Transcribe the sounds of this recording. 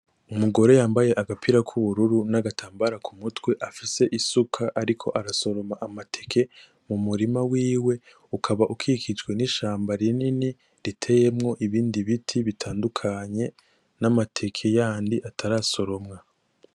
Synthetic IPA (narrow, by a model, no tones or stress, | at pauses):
umuɡo̞ɾe̞jaːmbaje̞ʔaɡapʰiɾakʰuβuɾuɾunaɡatʰaːmbaɾakʰumutwe̞ʔafise̞ʔisukʰaʔaɾikʰo̞̰ʔaɾaso̞ɾo̞maʔamatʰe̞kʰe̞ | mumuɾimawiːwe̞ | ukʰaβaʔukʰikid͡ʒɡwe̞niʃaːmbaɾinini | ɾitʰe̞je̞mŋo̞ʔiβiːndiβitʰiβitʰaːndukʰaɲe̞ | namatʰe̞kʰe̞jaːndiʔatʰaɾaso̞ɾo̞mŋa